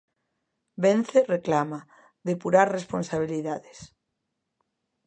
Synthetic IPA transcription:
bẽnθereklama | ðepuɾaɾresponsaβ̞iliðaðes

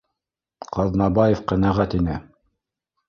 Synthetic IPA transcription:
qɑðnɑbɑjefqænæʁæt̪inɘ

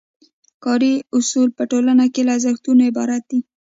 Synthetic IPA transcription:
kɑɾiʊsulpəʈolanakelazaxt̪unoɪbɑ̰ɾat̪̚d̪i

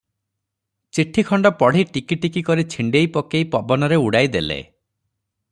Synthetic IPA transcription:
t͡ʃiʈʰːikʰɔɳɖɔpɔɽ̤iʈikiʈikikɔɾit͡ʃʰiɳɖejpɔkejpɔbɔnɔɾeuɽajd̪elḛ

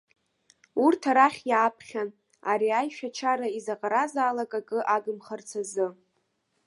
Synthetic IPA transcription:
urtʰaɾaχʲjaːpʰχʲan | aɾiajʃᶣat͡ʃʰaɾaizaqʼaɾazaːlakʼakʼɨʔaɡɨmχart͡sʰazɨ

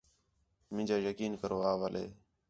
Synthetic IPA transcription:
mɪ̃ːd͡ʒaːjəkiːnkəɾʋaːʋəlḛː

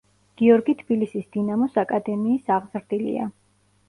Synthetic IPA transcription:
ɡ̥iɔɾɡit̪ʰb̥ilisisd̪inamɔsakʼad̪ɛmiːsaʁzɾd̪ilḭa̰

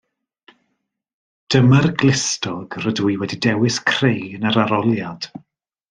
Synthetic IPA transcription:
d̥əmarɡlɪstɔɡ̥rədwiwɛdidɛwɪskʰr̥ejənaɾaɾɔlˠjad̥

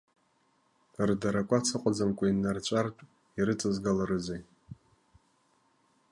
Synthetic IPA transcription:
ɨrdaɾakʷʼat͡sʰɨqʷʼad͡zamkʷʼainːart͡ʃʷʼartʼ | iɾɨt͡sʼɨzɡalaɾɨzej

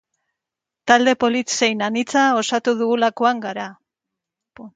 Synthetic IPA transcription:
t̪ald̪e̞po̞lit̪se̞jnanit͡sao̞sat̪uðuɣulako̞aŋɡaɾa

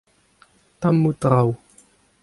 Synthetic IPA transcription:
t̪amːut̪ʁaw

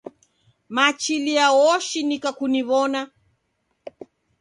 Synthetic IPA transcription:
mat͡ʃiliawɔʃinikakuniβɔna

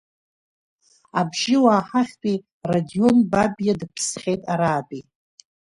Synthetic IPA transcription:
abʒɪwaːħaχʲpʼi | radio̞nbabjadɨpʰsχʲe̞jtʼaɾaːbʼi

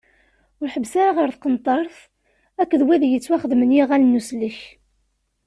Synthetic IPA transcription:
ʊɾħəbːsaɾaʁəɾθqənt̪ˤɑɾˤθ | ækːðwæðjət͡sːwæχəðmənjiʁælnːuslːiç

